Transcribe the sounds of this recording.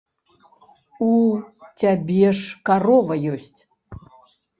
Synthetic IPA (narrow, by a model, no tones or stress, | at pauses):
ut͡sʲabʲɛʂkarɔvɐjɔsʲt͡sʲ